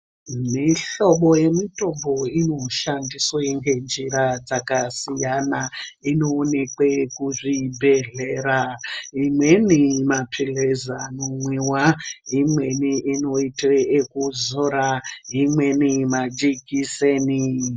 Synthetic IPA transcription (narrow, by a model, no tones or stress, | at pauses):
miɬo̞ɓo̞je̞mito̞mbo̞ino̞ʃandisweŋɡe̞nd͡ʒiɾad͡zakasijanainoːne̞kwekuʐibʱe̞ɮeɾaimwe̞nimapʰilezanomwewaɦimwe̞niʔino̞iteːkuzoɾaɦimwe̞nimad͡ʒikiseːni